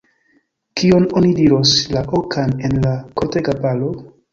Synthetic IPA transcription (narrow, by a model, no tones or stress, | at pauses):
kʰio̞nonidiɾoslaʔokʰanenlakoteɡapalo